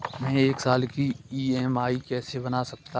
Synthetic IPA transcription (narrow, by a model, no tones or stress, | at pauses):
mɛ̃ːeːksaːlkiiːɛmaːikɛːsebɐnasɐk̚t̪a